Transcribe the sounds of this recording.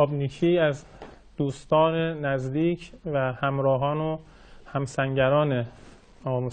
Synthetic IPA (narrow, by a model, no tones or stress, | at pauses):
ɒːbnikʰiæz | d̪̥uːst̪ɒːnenæzd̪iːcʰvæhæmɾɒːɦɒːno | hæmsæŋɟæɾɒːne | ɒːmus